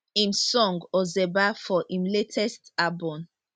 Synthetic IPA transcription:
ĩmsɔ̃ŋɡɔzɛbafɔʔĩmletʰɛstabɔ̃m

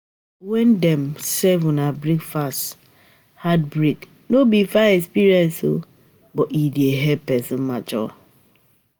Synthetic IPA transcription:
wɛndɛmsɛvʊ̃nabɾikfast | hat̚bɾik | nobifaɛkspiɾiɛ̃nso̰ | bɔʔidieɦɛd̚pɛsɔ̃nmat͡ʃɔ̰

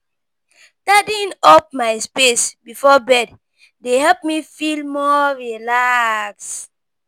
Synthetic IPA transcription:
tadĩnɔp̚maɪspesbifɔbɛd | dehɛlp̚mifilmɔɹilaks

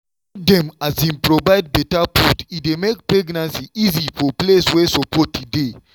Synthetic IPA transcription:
dɛ̃mazĩnpɹɔvaɪd̚bɛtapʰutidemekpɹɛɡnãnsiizifɔpleswesɔpʰɔtːude

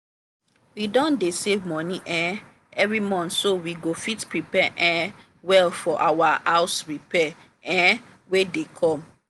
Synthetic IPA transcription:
widɔ̃ndesevmɔnĩʔɛ | ɛvɹimɔ̃ntsowiɡofitpɹipɛʔɛ̃ | wɛlfɔʔawaaʊsɹipɛ | ɛ̃ | wedekʰɔ̃m

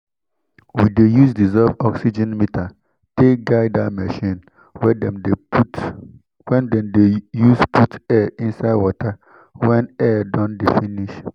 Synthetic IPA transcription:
widejusdizɔvɔksid͡ʒɛ̃nmitʰa | tekɡaɪdamɛʃĩn | wɛdɛ̃mde | wɛ̃ndɛ̃mdejuspʰutɛĩnsaɪdwɔtʰa | wɛ̃nɛdɔ̃ndefĩniʃ

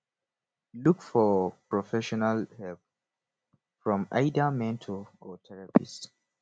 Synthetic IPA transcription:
lukfɔpɹɔfɛʃɔnalhɛlp̚ | fɹɔ̃ma̰ɪdamɛ̃ntʰɔɔtʰɛɹapḭst

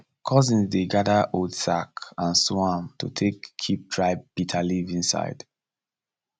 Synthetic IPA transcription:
kʰɔzĩnzdeɡadəʔodsakãnswãmtʰṵtʰekʰːip̚tʰɹaɪb̚b̥itʰalivĩnsa̰ɪd̥

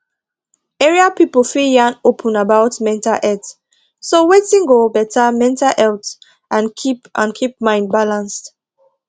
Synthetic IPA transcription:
ɛɹiapipəlfijanopʰə̃nabaʊtmɛ̃ntaʔɛt | sowetĩŋɡobɛtʰamɛ̃ntalʔɛlt | ʔãnkʰipʔã̰nkʰip̚mãɪ̃nd̚balãnst

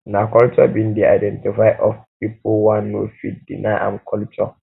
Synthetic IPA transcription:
nãkɔlt͡ʃɔ̰bĩndia̰jdɛ̃ntifaɪʔɔfpipʰowãnːofit̚dḭnãʔã̰mkʰɔlt͡ʃʰɔ

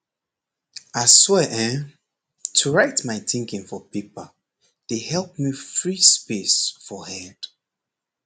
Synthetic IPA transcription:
aswɛʔɛ̃n | tʰuɹaɪtmaɪθɪ̃ŋkɪ̃ŋfɔpipəl | d̥ehɛlˠp̚mifɹispesfɔhɛ̃nd̥

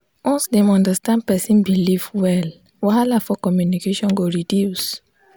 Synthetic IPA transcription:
wɔ̃nsdɛ̃mɔ̃ndəstãnd̚pɛsĩnbilivwɛl | wahalafɔkɔmjunikeʃɔ̃nɡoɹidjus

